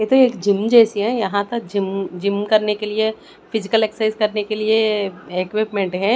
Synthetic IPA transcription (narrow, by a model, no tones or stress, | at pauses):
jet̪oeːkd͡ʒɪmːd͡ʒɛːsiɦɛjɐɦãt̪ɐk̚d͡ʒɪmd͡ʒɪmːkɐɾnekelie | fɪzɪkəleːksaɪzkɐɾnekelieekwɪpmɛ̃ɳʈɦɛ̃ː